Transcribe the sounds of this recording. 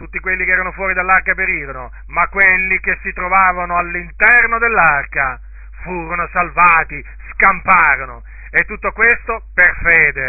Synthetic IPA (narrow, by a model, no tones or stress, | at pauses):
t̪ut̪ːikwelːikeɛːɾanofwɔːɾid̪alːarkapeɾiːɾono | makːwelːikesːit̪ɾovaːvanoalːint̪ɛrnod̪elːarka | fuːɾonosalvaːt̪i | skampaːɾono | et̪ːut̪ːokwest̪operfeːd̪e